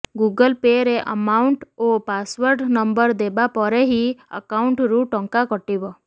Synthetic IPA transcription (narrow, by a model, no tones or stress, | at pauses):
ɡuɡəlpeɾeʔə̰mauɳʈopasʋɔɾɖnɔmbəɾd̪ebapɔɾeɦiə̰kauɳʈɾuʈɔŋkakɔʈibɔ